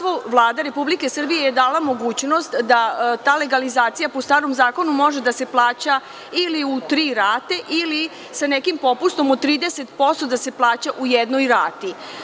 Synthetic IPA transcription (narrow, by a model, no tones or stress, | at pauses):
ʋoʋlˠaːd̪aɾe̞publike̞sr̩bije̞jed̪aːlamo̞ɡuːt͡ɕno̞st̪d̪at̪aːle̞ɡalizaːt̪sijapost̪aːɾo̞mzaːko̞numo̞ʒe̞d̪ase̞plˠaːt͡ɕa | iliut̪ɾiːɾaːt̪e̞ʔili | sanekimpo̞pust̪o̞mod̪̚t̪ːɾiːd̪ese̞t̪po̞st̪od̪ase̞plˠaːt͡ɕaʔujed̪nojɾa̰ːt̪i